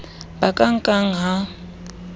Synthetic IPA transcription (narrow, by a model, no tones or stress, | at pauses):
bakʼaŋ̩kʼaŋ̩ɦa